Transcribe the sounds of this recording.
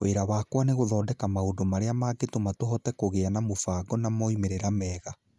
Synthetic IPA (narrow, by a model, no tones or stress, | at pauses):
oeɾawakwaneɣoðɔːdɛkamaodomaɾeamaːɡetomatoɦɔtɛkoɣeanamofaːɡɔnamɔimeɾeɾamɛːɣa